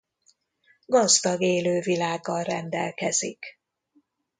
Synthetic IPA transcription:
ɡɒzd̪ɒɡeːløːvilaːɡːɒlrɛnd̪ɛ̰lkɛzik

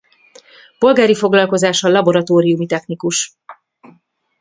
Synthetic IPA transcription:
po̞lɡaːɾifo̞ɡlɒlko̞zaːʃɒlɒbo̞ɾɒt̪oːɾijumit̪ɛxnikuʃ

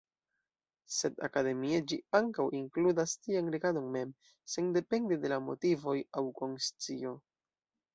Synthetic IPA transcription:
se̞da̰kade̞mied͡ʒiaŋkawʔiŋkludastianɾeɡado̞nme̞m | se̞nde̞pe̞ndede̞lamo̞̰tivo̞jawko̞nst͡sio̞

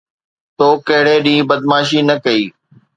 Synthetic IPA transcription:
t̪oːkɐɦɪɽeːɗĩːbəd̪maːʃiːnɐkɐiː

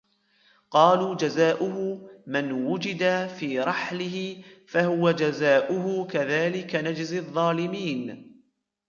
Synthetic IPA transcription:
qɑːluːd͡ʒazaːʔʊhʊmɪnwʊd͡ʒɪd̪afiːɾˤɑħlɪhɪfahʊwad͡ʒazaːʔʊɦʊkaðaːlɪkanad͡ʒzɪðˤːɑːlɪmiːn

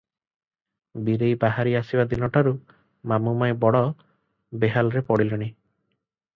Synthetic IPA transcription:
biɾejbaɦaɾiasibad̪inɔʈaɾu | mamumajbɔɽɔ | beɦalɾepɔɽilɔɽ̃i

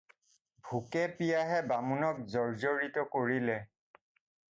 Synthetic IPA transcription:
bʱukɛpijaɦɛbamunɔk̚zɔɹzoɹitɔkoɹilɛ

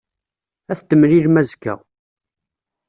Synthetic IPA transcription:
æθt̪ːəmɾiɾmæzkːæ̰

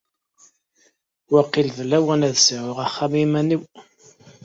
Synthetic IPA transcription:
wæqːilðlæwænæðsʕəʁaχːamimæniw

